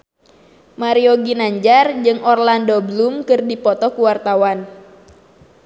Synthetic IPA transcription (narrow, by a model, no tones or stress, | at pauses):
maɾioɡinaɲd͡ʒard͡ʒɨŋɔrlandoblumkɨrdipɔt̪ɔkuwart̪awan